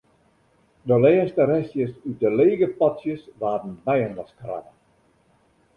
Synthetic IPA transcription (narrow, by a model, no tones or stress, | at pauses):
dəlɛːstəɾɛsjəsyt̚dəleːɡəpɔtsjəsʋaːdən̩bɛjənʋɔskra̰və